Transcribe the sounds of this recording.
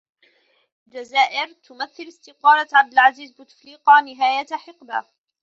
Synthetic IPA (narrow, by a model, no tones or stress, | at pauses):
d͡ʒazaːʔɪɾt̪ʊmaθːɪlɪst̪ɪqɑːlaʕab̚d̪ɪlʕaziːzbɪt̪fliːqɑnɪɦaːjat̪aħɪqba̰